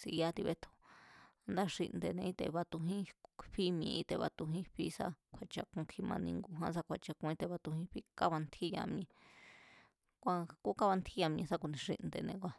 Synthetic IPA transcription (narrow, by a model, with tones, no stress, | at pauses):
si˧a˦t̪i˧βe˦t̪ʰo̥˧ | nd̪a˦ʂḭ˧ʔnd̪e˧nẽ˧i˦t̪ḛ˧˨βa˧t̪u˧ɦĩ˦ɸi˦mĩ˧ʔĩ˧t̪e˧βa̰˧t̪u˧ɦĩ˦ɸi˦sa̰˧kʷʰa˧t͡ʃa˧kũ˧kʰi˧mã˧nĩ˧ŋɡu˧ɦã˦s̬a˧kʷʰa˧t͡ʃa˧kũ˧ĩ˦˧t̪e˧βa˧t̪u˧hĩ˦ɸi˦ka˦βa˧nt̪ʰi˦jã̰˧mĩ˧ | kʷa˧ku˦ka˦βa˧nt̪ʰi˦ja˧m˧ĩ˧sa˦ku˧nĩ˧ʂḭ˧ʔnd̪e˧˨nẽ˧kʷa˧